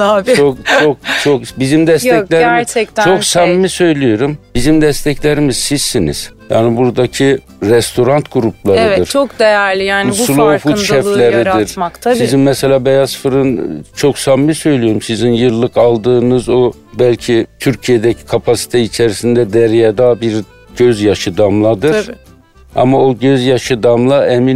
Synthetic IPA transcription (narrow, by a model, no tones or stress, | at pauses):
abʰok̚t͡ʃʰok̚t͡ʃʰokbizimd̪ɛsʰɛlʲeɾæɾt͡ʃʰɛct̪t͡ʃʰoksamːisø̞jlʲijo̞ɾumbizimd̪ɛst̪ʰɛclʲeɾimiz̥siz̥sinḭz̥ja̰ːnibuɾd̪acʰi | ɾɛst̪ʰo̞ɾant̪ɡuɾup̚ʰlˠaɾɯɯɾt͡ʃʰokd̪ejæɾlʲijaːnulˠofut̪ʃɛfˠlʲeɾɾid̪iɾmak̪ʰasizinmɛselʲaːbejasfɯɾɯnt͡ʃʰo̞ksamːisø̞jlʲijo̞ɾumsizinjɯɾlˠɯkalˠd̪ɯːnɯzo | bælʲcʰit̪ʰyɾcʰijed̪ɛcʰi̥kʰapʰasi̥t̪ʰɛit͡ʃʰeɾisind̪ɛd̪ɛɾijad̪aːbiɾ | ɟøzjaʃɯd̪amlˠad̪ɯɾ | a̰maoɟø̞zjaʃɯd̪amlˠaemin